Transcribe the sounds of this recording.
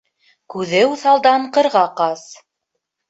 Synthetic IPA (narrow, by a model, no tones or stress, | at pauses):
kʉðɘwθɑlˠd̪ɑɴqɤ̆ɾʁɑqɑs